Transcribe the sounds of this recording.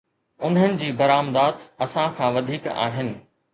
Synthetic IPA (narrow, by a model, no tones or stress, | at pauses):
ʊn̤ənɪ̆d͡ʑiːbɐɾaːmd̪aːd̪ɐsãkʰãːʋɐd̪ʱiːka̰ːɦɪnɪ̆